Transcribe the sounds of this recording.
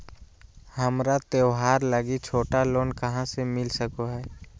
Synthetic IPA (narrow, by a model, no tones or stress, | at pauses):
hɐmɾat̪eʊɦaːɾləɡit͡ʃʰoːʈaloːnkəɦãsemɪlsəkoɦɛː